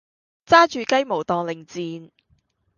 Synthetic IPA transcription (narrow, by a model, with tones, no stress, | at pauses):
t͡saː˥t͡ʃyː˨kɐ˥jmo˨˩wt̪ɔː˨ŋlɪ˨˩ŋt͡siː˨˧n